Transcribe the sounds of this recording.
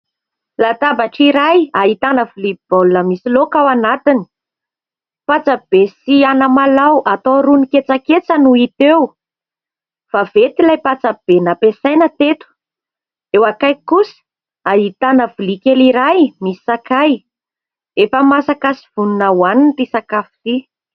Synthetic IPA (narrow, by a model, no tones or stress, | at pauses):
lat̪abaʈ͡ʂiɾajait̪anəvlib̥olunəmisilokawanat̪ini̥ | pat͡sab̥esianəmalawʔat̪oɾuniket͡saket͡sənuit̪ew | favet̪ilajpat͡sab̥enapesajnət̪et̪u̥ | ewakajkusə̥ | aɦit̪anəvulikeliɾajmisi̥sakaj | efəmasakasi̥v̥ununawanint̪isakafi̥t̪i